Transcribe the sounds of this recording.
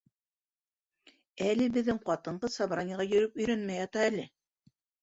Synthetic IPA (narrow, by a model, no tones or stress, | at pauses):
ælɘbɘ̆ðːɘŋqɑt̪ɤ̆ɴɢɤsɑβɾɑnʲiʁɑjɵ̆ɾɵpɵ̆jɾænmæjɑt̪ɑælɘ